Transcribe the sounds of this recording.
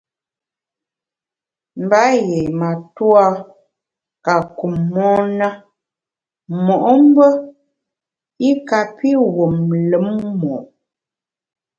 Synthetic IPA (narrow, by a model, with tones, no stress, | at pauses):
m˨ba˨˦je˨ma˨twa˦ | ka˨ku˨mːɔː˦na˦ | mɔ˨ʔɔ˦m˦bə˦ | i˦ka˨pi˦wo˨mlə˨˦mmɔ˨